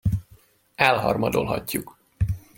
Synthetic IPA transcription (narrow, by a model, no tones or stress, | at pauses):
ɛlɦɒrmɒd̪olɦɒcːuk